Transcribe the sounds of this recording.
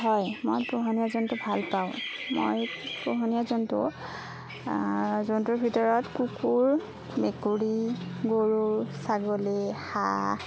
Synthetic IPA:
ɦɔjmojpɹoɦɔnijazɔntʊbʱalpaʊ̃mo̰jpɹoɦɔnijazɔntʊ̰ | zɔntʊɹbʱitɔɹɔtkukʰuɹ | mekuɹiɡoɹuɹsaɡoleha̰

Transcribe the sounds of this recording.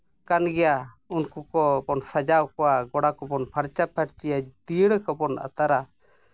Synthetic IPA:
kanɡɛja | unkukɔbɔnsad͡ʒawkɔwaɡɔɽakɔbɔnpʰaɾt͡ʃapʰaʈt͡ʃijad̪iɽkɔbɔna̰t̪aɾa

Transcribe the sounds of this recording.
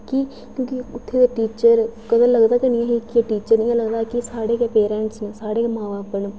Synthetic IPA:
kɪ | kjõːkiʊt̪ʰːeːd̪eʈiːt͡ʃəɾkəd̪ãləɡd̪aːt̪enɪjãːɦikɪeʈiːt͡ʃəɾnɪ̃ãːləɡd̪aːkɪsaːɽeːkeːpeːɾɛːɳʈsnesaːɽeːkeːmãːʋaːpən

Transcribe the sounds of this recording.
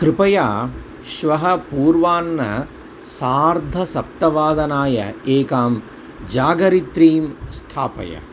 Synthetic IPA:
kɾɪpɐjaː | ʃʋɐɦɐpuːɾʋaːnːɐ̰ | saːɾd̪ʱɐsɐp̚t̪ɐʋaːd̪ɐnaːjɐ̰eːkaːm | d͡ʒaːɡɐɾit̪ɾiːmst̪ʰaːpɐ̰jɐ̰

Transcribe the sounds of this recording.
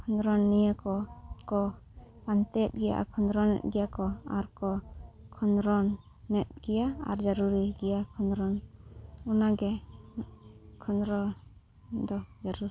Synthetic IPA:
kʰɔnɾɔnːijəkɔkɔ | pant̪ɛt̪̚ɡɛja̰ʔkʰɔnɾɔnːɛ̰t̪̚ɡɛjakɔaɾkɔkʰɔnɾɔnː | ɛt̪̚ɡ̥ɛjaa̰ɾd͡ʒaɾuɾiɡɛjakʰɔnɾɔn | unaɡɛ | kʰɔnɾɔ | d̪ɔd͡ʒaɾuɾ

